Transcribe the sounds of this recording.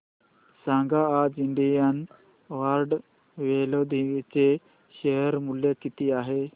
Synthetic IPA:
sãŋɡaːd͡ziɳɖijan | ʋaɾɖ | ʋelod̪ʱit͡se | ɕeɦəɾmuljakit̪iaɦe

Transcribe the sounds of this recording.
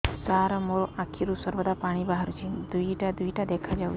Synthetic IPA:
saɾmoɭʔakʰiɾusəɾʋəd̪apaɽ̃iːbaɦəɾt͡ɕiːnd̪uiʈad̪uiʈad̪ekʰad͡ʑau

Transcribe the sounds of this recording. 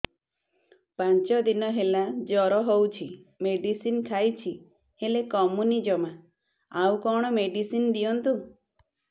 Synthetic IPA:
pant͡ʃɔd̪inɔɦelad͡ʒɔɾɔɦowt͡ʃʰimeɖisinkʰajt͡ʃʰi | helekɔmunid͡ʒɔma | awkɔɽ̃ɔmeɖisind̪iɔnt̪u

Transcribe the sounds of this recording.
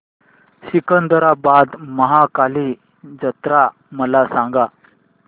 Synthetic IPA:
ɕikənd̪əɾabad̪məɦakali | d͡zət̪ɾa | məlasãŋɡa

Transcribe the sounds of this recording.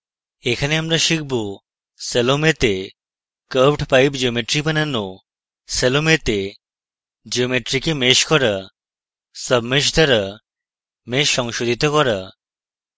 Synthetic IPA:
ekʰaneamɾaʃik̚bu | selomet̪e | kəpʈpajbd͡ʒiomeʈɾipanano | selomet̪e | d͡ʒiomeʈɾikemeʃkɔɾa | səbmeʃd̪ʱaɾa | meʃːɔŋʃod̪ʱit̪ɔkɔɾa

